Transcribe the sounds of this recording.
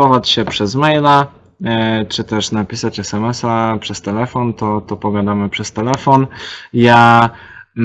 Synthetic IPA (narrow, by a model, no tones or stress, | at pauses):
ɔvat͡ɕɕɛpʂɛzmɛjla | t͡ʂɘt̪ɛʂnapʲisat͡ɕɛsɛmɛsapʂɛst̪ɛlɛfɔnt̪ɔt̪ɔpɔɡad̪amɘpʂɛst̪ɛlɛfɔnja